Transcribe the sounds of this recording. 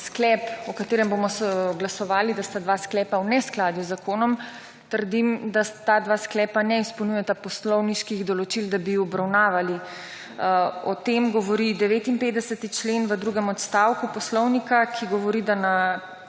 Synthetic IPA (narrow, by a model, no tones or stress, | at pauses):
sklɛːpɔkat̪eːɾɛmbomɔsɡlasɔʋaːlid̪ast̪ad̪ʋaːsklɛːpawnɛsklaːd̪juzakoːnɔm | t̪əɾd̪imd̪at̪ad̪ʋasklɛːpanɛispownujɛt̪apɔslɔwniʃkiɣd̪ɔlɔt͡ʃild̪abiɔbɾawnaːʋali | ɔt̪emɡɔʋɔɾid̪ɛʋeːt̪inpeːd̪d̪ɛsət̪it͡ʃleːnʋəd̪ɾuːɡɛmɔt̪st̪aːwkupɔslɔwnikakʰiɡɔʋɔɾid̪ana